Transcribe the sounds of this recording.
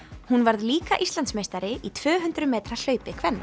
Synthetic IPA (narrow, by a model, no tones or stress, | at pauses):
hunvaɾðliːka̰ʔist̪ant̪smejst̪aɾɪʔit̪ʰvœːɦʏnt̪ɾʏmɛːt̪ɾal̥œːɥpɪkʰvɛnːa